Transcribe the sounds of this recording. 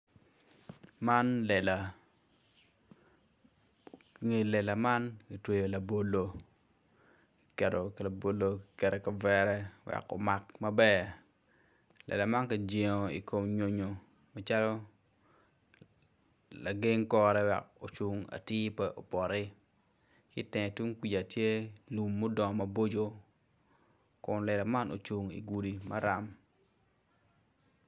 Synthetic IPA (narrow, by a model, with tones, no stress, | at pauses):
ma˦nlɛ˨la˨ | ŋe˨lɛ˨la˨ma˦nɡi˨twe˨jo˨la˨bo˦lo˦ | i˨kɛ˨do˨kla˨bo˨lo˦ɡikɛ˨dɛ˨ka˨vɛ˦ɾɛ˦wɛ̰˨ko̰˨ma˨kmɐ˦bɛ˦ | lɛ̰˨la˨ma˦nka˨d͡ʒe˨ŋo˨ḭ˨ko˨mɲo˨ɲo˨ | ma˦t͡ʃa˦lo˦ | la˨ɡe˦ŋkɔ˦ɾɛ˦wɛ̰˨k̚o˨t͡ʃu˨ŋa̰˨tɪ˦pɛ˦ʔo˨pɔ˨ɾɪ˦ | kɪ˦tɛ˨ŋ˨tu˦ŋkʷi˨d͡ʒa˨tje˦lu˨mːo˦dɔ˨ŋ˨mɐ˦bo˦d͡ʒo˦ | kʊ˨nlɛ˨la˨ma˦no̰˨t͡ʃu˨ŋḭ˨ɡu˨di˨ma˦ɾa˨m